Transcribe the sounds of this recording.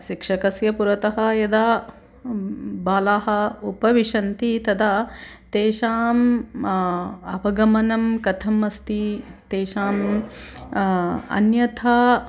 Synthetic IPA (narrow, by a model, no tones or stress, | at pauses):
ʃikʂɐkɐsjɐpuɾɐt̪ɐɦɐjɐd̪a | baːlaːɦɐupɐʋiʂɐnt̪it̪ɐd̪ɐt̪eːʂaːm | ɐpɐɡɐmɐnɐmkɐt̪ʰɐmɐst̪it̪eːʃaːm | ɐ̰njɐt̪ʰaː